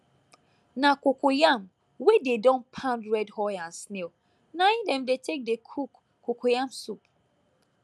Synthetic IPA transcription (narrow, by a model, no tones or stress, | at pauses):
nakokojam | wededɔ̃npʰãntɹɛdhɔjãnsnel | naĩdɛ̃mdetʰek̚dekʰuk | kːokʰojãmsup